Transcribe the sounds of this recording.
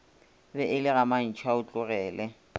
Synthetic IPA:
bɛʔɪlɪɣaman̩t͡ʃʰwaʊt͡ɬʼʊɣɛːlɛ

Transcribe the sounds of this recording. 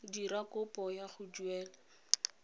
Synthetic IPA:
dirakʊpʼɔjaχʊd͡ʒuɛːla

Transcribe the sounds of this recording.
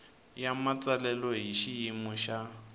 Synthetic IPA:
jamat͡sʼalɛlɔɦiʃijimʊʃa

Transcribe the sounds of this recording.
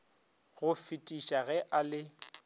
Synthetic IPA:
ɣʊfɪtʼiʃaɣɛʔalɪ

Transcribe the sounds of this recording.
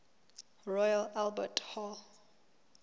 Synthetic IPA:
ɹɔjalalbɛthɔl

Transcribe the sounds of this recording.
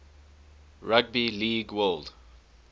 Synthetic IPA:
ɹaɡ̚biliːɡwɛld

